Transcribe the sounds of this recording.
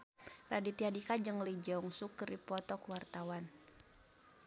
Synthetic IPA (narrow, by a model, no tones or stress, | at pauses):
radit̪iadikad͡ʒəŋlid͡ʒɛuŋsukəripɔt̪ɔkuwart̪awan